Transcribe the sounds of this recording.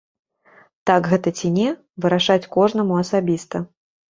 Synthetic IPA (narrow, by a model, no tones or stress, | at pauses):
t̪aɡɣɛt̪ɐt͡sʲinʲɛ | vɨɾaʂat͡sʲkɔʐn̪ɐmuɐsabʲist̪ɐ